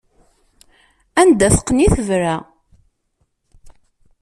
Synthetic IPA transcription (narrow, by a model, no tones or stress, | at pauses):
ænd̪æθə̥qːniθəvɾæ